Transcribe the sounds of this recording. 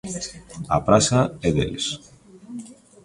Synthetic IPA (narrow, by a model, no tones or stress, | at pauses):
ɐ̰pɾasɐeðḛlis